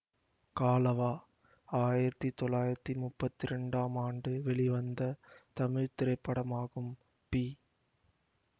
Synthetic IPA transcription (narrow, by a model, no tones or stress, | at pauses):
kaːlɐʋaː | aːjɪɾɐt̪ːit̪ːɔlaːjɪɾɐt̪ːimʊpːɐt̪ːɪɾɛɳɖaːmaːɳɖɯʋɛɭɪʋɐnd̪ɐt̪ɐmɪɻt̪ɪɾɐɪpːɐɽɐmaːɣɯm | pi